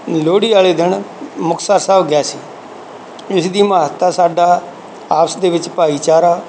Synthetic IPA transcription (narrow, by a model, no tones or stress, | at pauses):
loːɽiːaːleːd̪ɪnmʊkʰsaːɾsaːʋɡɛːsiː | ɪsd̪iːmaːɦət̪ːaːsaːɖaː | aːpsd̪eːʋɪt͡ʃpaːiːt͡ʃaːɾaː